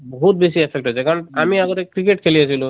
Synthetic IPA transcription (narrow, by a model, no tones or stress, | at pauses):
bɔɦut̪̚besiepʰek̚ʈɦojsʰɛkaɹɔnamiaɡot̪ekɾikeʈkʰeliasʰilu